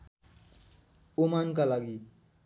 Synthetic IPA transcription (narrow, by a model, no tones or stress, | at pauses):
omankalaɡi